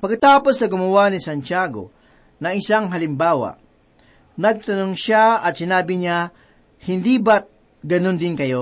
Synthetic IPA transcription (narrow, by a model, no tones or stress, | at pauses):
pɐɡkːɐt̪aːpo̞sːɐɡʊmɐwanisant͡ʃaɡo̰ | nɐŋɪsaŋɦɐlɪmbaːwa̰ | nɐɡ̚t̪ɐnoŋʃaɐt̪sɪnaːbɪɲa | hɪnd̪ibat̪̚ | ɡɐnond̪ɪnkɐjo